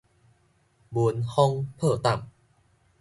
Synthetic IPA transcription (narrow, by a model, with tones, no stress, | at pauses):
bu˧˦nhɔ˥˧ŋpʰɤː˥˩t̪a˨˩m